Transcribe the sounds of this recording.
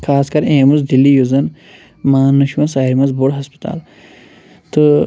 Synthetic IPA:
kʰaːskɐɾẽːmuzd̪ilːijuzɐn | mãːnɐʃuwɐ̃saːiɾmɐzbuɽɦɐspɐ̥t̪a̰ːl | t̪ɨ

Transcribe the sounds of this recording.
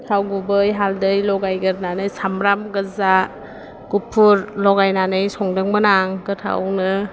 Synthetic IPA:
tʰawɡubɯjɦaldɯjlɔɡajɡɯɾnanɯjsamɾamɡɯza | kupʰuɾlɔɡajnanɯjsɔŋdɯŋmənaŋɡɯtʰa̰wnɯ

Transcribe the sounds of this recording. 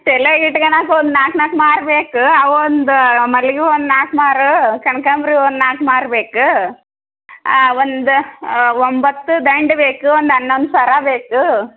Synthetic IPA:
tɛleɡiʈːɡɐnaːkond̪naːknaːkmaːɾbeːkuɐʋond̪umɐlɡiond̪naːkmaːɾukɐɳkamɾiond̪naːkmaːɾbeːku | ond̪uʋombɐt̪ːud̪ɐjɳɖbeːkuond̪ɐnːond̪sɐɾaːbeːku

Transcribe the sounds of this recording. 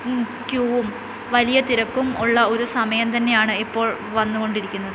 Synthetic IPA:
kjuːʋum | ʋɐlijɐt̪iɾɐkːumuɭːɐo̞ɾusɐmɐjɐmt̪ɐnːe̞jaːɳɨipːo̞ːɭ | ʋɐnːuɣo̞ɳɖiɾikʲːunːɐðɨ

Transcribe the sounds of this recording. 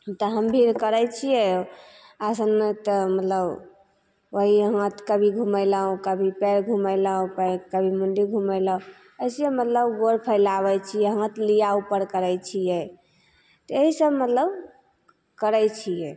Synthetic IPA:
t̪ɔɦəmbʱiɾkəɾɛt͡ʃʰijɛ | asənt̪ɔmət̪ləb | oɦiɦt̪kəbʱiɡʱumələɦõkəbʱipɛɾɡʱuməɪləɦõpəkəbʱimunɖiɡʱuməjləõ | əjsjemət̪ləbɡoɾpʰəɪlaβɛt͡ʃʰijɛɦə̃t̪lijaupəɾkəɾɛjt͡ʃʰijɛ | t̪ɔeɦisəbmət̪ləb | kəɾɛjt͡ʃʰijɛ

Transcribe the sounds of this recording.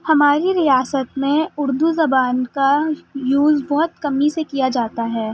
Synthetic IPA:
hɐmaːɾiɾijaːsət̪mẽʊɾd̪uzɐbaːnkajuːzbɔɦʊt̪kɐmːisekijad͡ʒaːt̪aɦɛː

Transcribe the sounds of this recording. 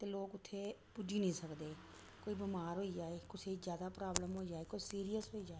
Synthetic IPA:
t̪eːloːkʊt̪ʰːeːpud͡ʒiːnĩːsəkd̪eː | koːiːbəmaːɾɦoːiːd͡ʒaːeːkʊsʰeːizjaːd̪aːpɾaːbləmɦoːiːd͡ʒaːeːkoːisiːɾijəsɦoːiːd͡ʒaːe

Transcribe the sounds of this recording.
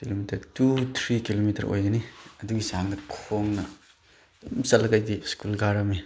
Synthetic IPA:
kilomitʰɐɾtutʰɾikilomitʰɐ̰ɾʔo̰jɡɐniɐduɡisaŋdɐkʰoŋnɐ | msɐlːɐkajdiskulɡaɾɐmi

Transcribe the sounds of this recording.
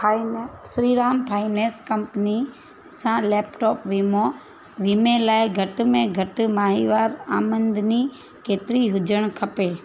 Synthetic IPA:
sɾiːɾaːmpʰaːineːskɐ̃mpəni | sãlɛːpʈɔːpʋiːmo | ʋiːmẽlaːɪɡʱɐʈ̆mẽɡʱɐʈmaːɦiʋaːɾaːmə̃nd̪ʱni | keːt̪ɪɾiɦʊd͡ʒʱəɽ̃kʰɐpeː

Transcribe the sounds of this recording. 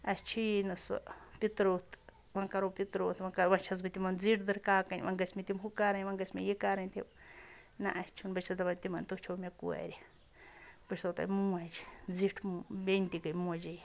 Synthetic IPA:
at͡ʃʰinũso̰pit̪ɾut̪ | βãŋkaɾopit̪ɾut̪βãŋkaβãt͡ʃʰaz̬bit̪imãnd͡ziɾd̪ɨɾkakaɲβã̰ŋɡesmĩt̪imhukaɾaɲβãŋɡesmḭ̃jekaɾãt̪i | nã̰ʔat͡ʃʰunbet͡ʃʰad̪aat̪imãnt̪ut͡ʃʰamʲãkuḛɾi | peʃsot̪a̰mũẽt͡ʃi̥nd͡ziʈmũbent̪ikamũet͡ʃi

